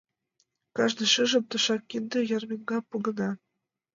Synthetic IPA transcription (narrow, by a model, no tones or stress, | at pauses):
kɑʒd̪ɤ̆ʃɤ̆ʒɤ̆t̪ɤ̆ʃɑkːind̪ɤ̆jɑrmʲiŋɡɑpuɣɤ̆nɑ